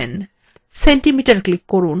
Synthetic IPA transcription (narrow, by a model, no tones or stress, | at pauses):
n | seɳʈimiʈɐɾklikːoɾun